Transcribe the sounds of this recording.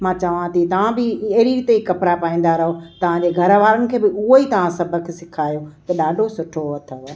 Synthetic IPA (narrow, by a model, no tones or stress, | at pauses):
mãːt͡ɕɐʋãt̪it̪ɐʋ̤ãbɪɐɦɾiɾt̪eikɐpɾapaːĩn̆d̪aɾɐɦot̪ɐʋ̤ãɲd͡ʑeːɡʱɐɾəʋaːɾənɪ̆kʰeːbɪʊɦoiːt̪ɐʋ̤ãsɐbʱə̆kʰesɪkʰaːijot̪ɐɗaːɖʱosʊʈʰoɐt̪ʰo